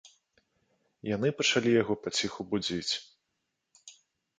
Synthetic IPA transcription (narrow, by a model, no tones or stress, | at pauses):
jan̪ɨpɐt͡ʂalʲijaɣɔpat͡sʲixubud͡zʲit͡sʲ